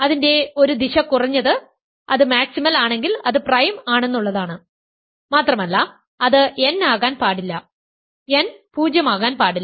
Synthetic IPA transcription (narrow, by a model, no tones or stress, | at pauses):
ɐðinde̞o̞ɾud̪iɕɐkurɐɲːɐðɨ | ɐðɨmaːksimɐlaːɳe̞ŋɡilɐðɨprɐjmaːɳe̞nːuɭːɐðaːɳɨ | maːt̪rɐmɐlːɐ | ɐðɨenːaːɣaːnpaːɽilːɐ | enpuːd͡ʑjɐmaːɣaːnpaːɽilː